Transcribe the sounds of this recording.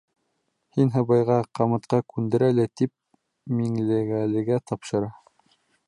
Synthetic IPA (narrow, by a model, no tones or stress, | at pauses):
hinɦɤ̆βɑjʁɑqɑmɤ̆t̪qɑkʉnd̪ɘ̆ɾælæt̪ip̚ | miŋlɘ̆ɡælɘ̆ɡæt̪ɑpʃɤ̆ɾɑ